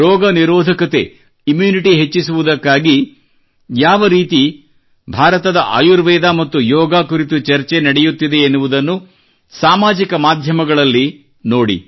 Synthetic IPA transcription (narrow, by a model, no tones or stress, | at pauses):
ɔːɡɐniɾɔːd̪ʱɐkɐt̪e̞ | imjuːniʈiɦet͡ʃːisuʋud̪ɐkːaːɡi | jaːʋɐɾiːt̪i | bʱaːɾɐt̪ɐd̪ɐʔa̰juɾʋɛːd̪aːmɐt̪ːujɔːɡaːkuɾit̪ut͡ʃɐɾt͡ʃe̞nɐɽejut̪ːid̪e̞ːnːuʋud̪ɐnːu | saːmaːd͡ʒikɐmaːd̪ʱjɐmɐɡɐɭɐlːi | noːɽḭ